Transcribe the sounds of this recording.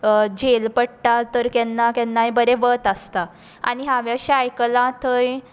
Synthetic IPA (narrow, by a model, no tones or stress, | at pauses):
d͡ʑelpəɽʈat̪əɾkɛnːakɛnːajbəɾeʋət̪əst̪a | a̰ɽiɦãʋjəɕeajkəlãt̪ʰəj